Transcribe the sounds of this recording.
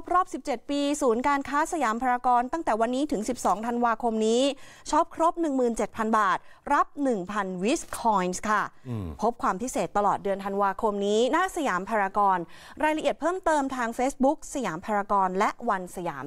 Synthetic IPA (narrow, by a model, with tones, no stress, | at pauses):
p̚ɾɔː˥˩p̚si˨˩p̚t͡ɕe˨˩t̪̚piː˧suː˩˦nkaː˧nkʰaː˦˥sa˧jaː˩˦mpʰaː˧ɾaː˧kɔː˧nt̪a˥˩ŋt̪ɛː˨˩wa˧nːiː˦˥t̪ʰɯ˩˦ŋsi˨˩p̚sɔː˩˦ŋt̪ʰa˧nwaː˧kʰo˧mniː˦˥ | t͡ɕʰɔ˦˥p̚kʰɾo˦˥p̚nɯ˨˩ŋmɯː˨˩nt͡ɕe˨˩t̪̚pʰa˧nbaː˨˩t̪̚ɾa˦˥p̚nɯ˨˩ŋpʰa˧nwi˦˥skʰːɔː˧˥jnskʰa˥˩pʰo˦˥p̚kʰwaː˧mpʰi˦˥seː˨˩t̪ːa˧lɔː˨˩t̪̚dɯ˧ənt̪ʰa˧nwaː˧kʰo˧mniː˦˥na˦˥ʔsa˧jaː˩˦mpʰaː˧ɾaː˧kɔː˧n | ɾaː˧jɾa˧ʔi˨˩ət̪̚pʰɤː˥˩mt̪ɤː˧mt̪ʰaː˧ŋfeː˦˥sbu˦˥k̚sa˧jaː˩˦mpʰaː˧ɾaː˧kɔː˧nlɛ˦˥wa˧nsa˧ja̰ː˩˦m